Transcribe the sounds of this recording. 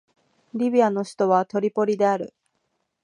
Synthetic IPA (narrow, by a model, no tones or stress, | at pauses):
ɾʲibʲiano̞ɕi̥t̪o̞βat̪o̞ɾʲipo̞ɾʲid̪e̞aɾɯ̟̰